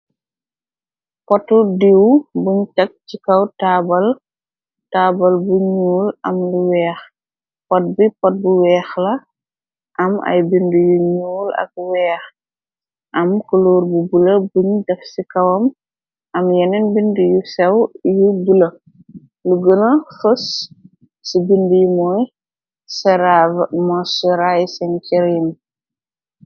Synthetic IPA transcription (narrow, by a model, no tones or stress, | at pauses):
pɔtːudiwbuɲt͡ʃɐk̚cikɐwtaːbɐl | taːbɐlbuɲuːlʔɐmluwɛːx | pɔt̚bipɔt̚buwɛːxlɐ | ʔɐmɐ̰jbindujuɲuːlɐ̰k̚wɛːx | ʔɐmkuloːɾbubulɐbuɲdɐfsikɐwɐm | ʔɐmjɛnɛnbindujusɛwjubulɐ | luɡənɐfus | sibindujumɔj | sɛɾamɔsɛɾajsɛnkiɾim